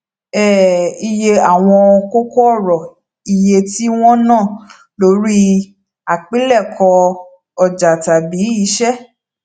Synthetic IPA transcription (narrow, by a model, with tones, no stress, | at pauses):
ɛ˨i˧je˧a˦˨w̃ɔ̃˧ko˦kɔ˦ɔ˦˨ɾɔ˨ | i˨je˧ti˦w̃ɔ̃˦nãː˦˨ | lo˨˦ɾi˦ | a˨k͡pi˦lɛ˦˨kʰɔ˧ | ɔ˨d͡ʒa˨ta˨bi˨˦i˨˦ʃɛ˦